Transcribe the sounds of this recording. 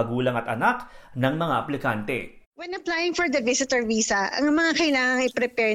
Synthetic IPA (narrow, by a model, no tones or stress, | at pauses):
ɐɡuːlɐŋɐt̪ʔɐnak̚nɐŋmɐŋaʔɐplɪkant̪ɛ̰ | wɛnɐplajɪŋfɔɹd̪ɐvɪsɪt̪ɛɹviːsɐʔɐ̰ŋmɐŋakɐjlaːŋɐŋɪpɾɛpɛːɹ